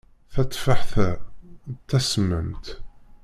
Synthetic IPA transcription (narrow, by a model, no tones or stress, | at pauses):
θæt̪ˤːfaħθæ | t̪ːæsmə̰mt̪